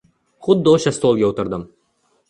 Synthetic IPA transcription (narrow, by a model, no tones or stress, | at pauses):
χʊd̪ːɪoʃast̪olˠɡʲaot̪ɪɾd̪ɪm